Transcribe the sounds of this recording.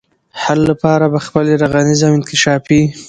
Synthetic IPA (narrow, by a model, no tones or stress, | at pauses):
halːapɑɾabaxpəleɾaɣanizawɪnkɪʃɑfi